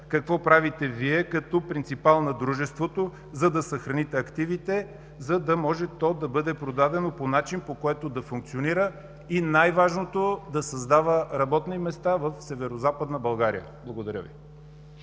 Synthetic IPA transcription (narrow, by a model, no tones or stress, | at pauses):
kɐkvɔpɾavit̪ɛviɛkɐt̪ɔpɾint̪sipalˠnɐd̪ɾuʒɛst̪vot̪o | zɐd̪ɐsɐxɾɐnit̪ɛɐkt̪ivit̪ɛ | zɐd̪ɐmɔʒɛt̪ɔd̪ɐbɤd̪ɛpɾod̪ad̪ɛnoponat͡ʃinpokoɛt̪od̪ɐfuŋk̪̚sioniɾə | inajvaʒnot̪od̪ɐsɐzd̪avəɾɐbɔt̪nimɛst̪avəfsɛvɛɾozapəd̪nəbɐlˠɡaɾḭjə̰ | blˠɐɡod̪ɐɾʲə̰vḭ